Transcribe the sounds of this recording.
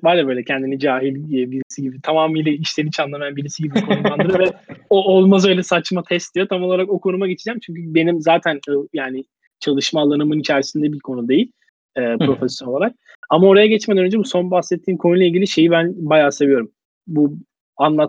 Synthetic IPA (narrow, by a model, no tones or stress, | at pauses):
bajlʲabø̞ːjlʲɛcʰɛnd̪inid͡ʒaːɦilʲːbiɾisiɟibit̪ʰamaːmiːlʲɛiʃlʲeɾit͡ʃʰanlˠamjanbiɾisiɟibikonulˠanɯɾɯvɛoolˠmazø̞jlʲɛsat͡ʃmat̪ʰɛst̪d̪ijo̞t̪ʰamolˠaɾakokʰo̞numaɟet͡ʃʰid͡ʒæmt͡ʃʰyɲcʰybe̞nimzaːt̪ʰænɯjaːnɪ | t͡ʃʰalˠɯʃmaːlˠanɯmɯnit͡ʃʰæɾsind̪ɛbiɾkʰo̞nud̪e̞jilʲ | ɛːpɾo̞fɛsjo̞nolˠaɾak̚ | amao̞ɾajaɟɛt͡ʃmed̪ænønd͡ʒɛbuso̞nbaxsɛt̪ʰːiːmkʰo̞nulˠailʲɟilʲiʃe̞jibænbajaːse̞vijo̞ɾum | bu | anlˠat̪